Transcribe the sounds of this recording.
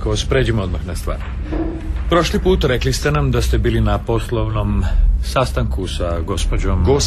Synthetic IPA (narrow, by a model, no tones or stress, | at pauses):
koospɾe̞ːd͡ʑimo̞d̪maxnast̪ʋa̰ːɾ | pɾo̞ʃlipuːt̪aɾe̞klist̪e̞namd̪ast̪e̞biːlinapo̞slˠoʋno̞msast̪aŋkusaɡo̞spod͡ʑomɡo